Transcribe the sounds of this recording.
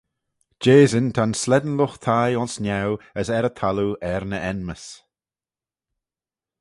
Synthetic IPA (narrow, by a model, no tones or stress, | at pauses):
d͡ʒeːzɪnt̪ʰanslɛd̪ən̩lʊxt̪ʰajɔnsnjawəsɛɾət̪ʰaluɛɾnəʔɛnməs